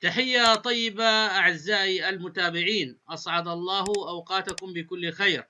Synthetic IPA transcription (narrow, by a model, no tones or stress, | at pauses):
t̪aħɪjːat̪ˤɑjːɪbaʔaʕɪzːaːʔiʔalmʊt̪aːbɪʕiːnʔɑsˤʕɑd̪ɑlˤːɑːɦʊʔawqɑːt̪akʊmbɪkʊlːxajɾ